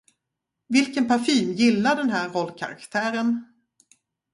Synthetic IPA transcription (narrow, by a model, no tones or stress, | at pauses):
vɪlkənpaɾfiːnjɪlːaɖɛnɦæːɾɔlːkʰa̰ɾa̰kt̪ʰæːɾən